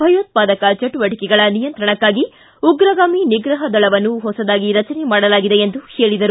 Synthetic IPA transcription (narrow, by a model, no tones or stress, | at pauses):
bʱɐjoːt̪̚paːd̪ɐkɐt͡ʃɐʈːuʋɐʈikɛɡɐɭɐnijɐnt̪ɾɐɳɐkːaːɡi | uɡɾɐɡaːminiɡɾɐɦɐd̪ɐɭɐʋɐnːuɦɔsɐd̪aːɡiɾɐt͡ʃɐnemaːɽɐlaːɡid̪eend̪uheːɭid̪ɐɾu